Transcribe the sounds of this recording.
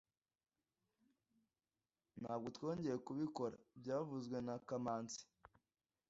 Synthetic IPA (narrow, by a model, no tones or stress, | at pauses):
n̥haːb̚ɡo̞two̞ːɲɟe̞jekuβiko̞ɾa̰bɟaːvuzɡwe̞nakamaːnt͡si̥